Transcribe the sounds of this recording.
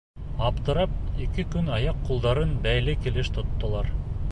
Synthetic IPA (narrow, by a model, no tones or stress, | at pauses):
ɑpt̪ɤ̆ɾɑp̚ekɘkʉnɑjɑqʰːulˠd̪ɑɾɤnbæjlɘkilɘʃt̪ʰŏt̪ːŏlˠɑɾ